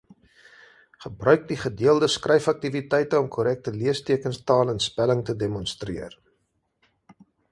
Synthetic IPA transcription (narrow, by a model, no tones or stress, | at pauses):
χəbrœɥk̚diχədiəlˠdəskrɛjfɐk̚tivitɛjtəɔmkʰɔɾɛk̚təliəstiəkənstɑːlənspæləŋtədemɔnstriər